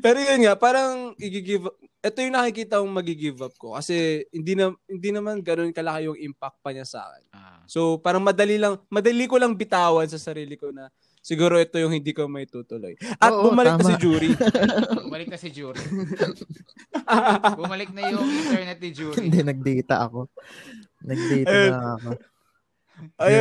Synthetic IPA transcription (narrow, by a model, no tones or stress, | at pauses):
pɛːɾojʊnŋaʔpaːɾɐŋʔɪɡiɡivɐ | ʔɛt̪o̞jʊŋnɐkkɪkiːt̪ɐkʊŋmɐɡiɡivɐb̚ko̞̰kɐsɛhɪnd̪inɐhɪnd̪inɐmanɡɐno̞nkɐlɐkajʊŋʔɪmpak̚t̪̚pɐɲɐsa̰ːkɛ̰n | so̞wpaːɾɐŋmɐd̪ɐlilɐŋmɐd̪ɐlikolɐŋbɪt̪aːwɐnsɐsɐɾiːlɪko̞nɐ | sɪɡuːɾoʔɛt̪o̞jʊŋhɪnd̪iːkomɐɪt̪uːt̪ʊlo̞̰jʔɐt̪bʊmɐlɪɐmsɪd͡ʒuːɾi | mɐlɪk̚nɐsɪd͡ʒuːɾi | bʊmɐlɪk̚nɐjʊɛnɛt̪̚ːɪd͡ʒund̪ɛnɐɡ̚d̪iːt̪ɐ̰ʔɐ̰ko | nɐɡ̪̚iːjaɐo | ʔɐj